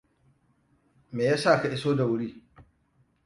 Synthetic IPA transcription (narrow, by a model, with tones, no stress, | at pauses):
meː˨jaː˦saː˦˨ka˨ʔɪ˦soː˦da˨wʊ˦ɽiː˦